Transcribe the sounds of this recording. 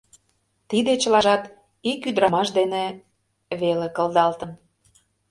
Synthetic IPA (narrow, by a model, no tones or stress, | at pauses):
t̪id̪et͡ɕə̆lɑʒɑt̪ | ikyd̪ɾɑmɑʃd̪ene | βelekə̆lˠd̪ɑlt̪ən